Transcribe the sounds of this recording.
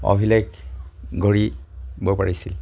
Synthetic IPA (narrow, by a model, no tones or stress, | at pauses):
ɔ̰bʱilajkɡʱɔɹibɔpaɹisil